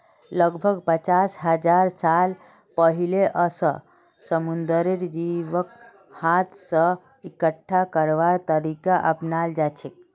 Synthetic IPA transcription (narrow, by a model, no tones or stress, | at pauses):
ləɡbʱəɡpət͡ʃasɦəd͡ʒaɾsal | pəɦileʔəsə | səmund̪əɾiɾd͡ʒiʋək̚ | hat̪ʰsə̃ | ikəʈʰːakəɾʋaɾt̪əɾikaʔəpnald͡ʒat͡ʃʰek̚